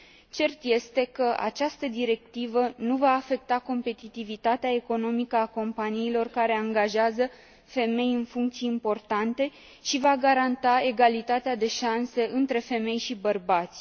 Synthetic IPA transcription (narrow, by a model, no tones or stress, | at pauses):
t͡ʃe̞rt̪je̞st̪e̞kəʔa̰t͡ʃast̪əd̪iɾe̞k̚t̪ivənuvaːfe̞k̚t̪ako̞mpe̞t̪it̪ivit̪at̪eae̞ko̞no̞mikəako̞mpaniːlo̞rkaɾe̞aŋɡaʒeazə | fe̞me̞jɨnfuŋkt̪sijeimpo̞rt̪ant̪e̞ | ʃivaɡaɾant̪ae̞ɡalit̪at̪ead̪e̞ʃanse̞ʔɨnt̪ɾe̞fe̞me̞jʃibərbat̪sʲ